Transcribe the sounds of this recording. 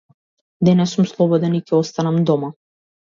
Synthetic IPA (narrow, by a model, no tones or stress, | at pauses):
d̪ɛnɛsːumslˠɔbɔd̪ɛnicʲɛɔst̪anɛmd̪ɔma